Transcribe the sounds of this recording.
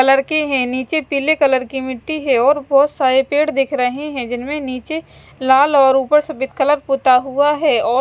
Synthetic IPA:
ɐləɾkeɦɛ̃niːt͡ʃepiːlekɐləɾkimɪʈːiɦɛɔːɾbɔːt̪saːɾepeːɽd̪eːkʰɾɐɦeɦɛ̃d͡ʒɪnmẽniːt͡ʃe | laːlɔːɾuːpəɾsɐbɪt̪̚kələɾpuːt̪aɦuaɦɛɔː

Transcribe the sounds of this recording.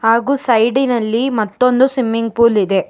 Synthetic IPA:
haːɡuːsɐjɖinɐlːimɐt̪ːo̞nd̪usʋimːiŋɡ̚puːlid̪e̞

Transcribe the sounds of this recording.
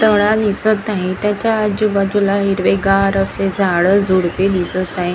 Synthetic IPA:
t̪əɽ̃ãnisət̪naɦẽt̪jãt͡ɕaːd͡ʑubəd͡ʑulaɦiɾʋeɡaɾəsed͡zʱaɭəd͡zʱuɽped̪isət̪naɦẽ

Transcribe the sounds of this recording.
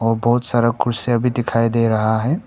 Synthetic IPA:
ɔːɾbɔɦʊt̪saɾəkʊɾseɐbʱid̪ɪkʰaːid̪eːɾɐɦaɦɛː

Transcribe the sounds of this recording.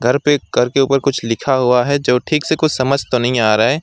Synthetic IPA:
ɡʱɐɾpekɐɾkeuːpəɾkʊt͡ʃʰlɪkʰaɦʊaɦɛd͡ʒoːʈʰiːksekʊt͡ʃʰsɐməd͡ʒʱt̪onɐɦĩaːɾaeː

